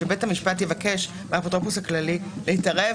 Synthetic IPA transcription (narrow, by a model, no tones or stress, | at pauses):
ebethamiʃpatjevakeʃ | meapot̪opushaklalilehitaʁe